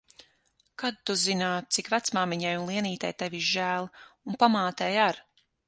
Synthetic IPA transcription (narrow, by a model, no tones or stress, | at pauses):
kad̪̚t̪uzinaːt̪̚t̪sikvæt̪smaːmiɲajunlˠiɛniːt̪ajt̪eviʒæːlˠunpamaːt̪ɛːjaɾ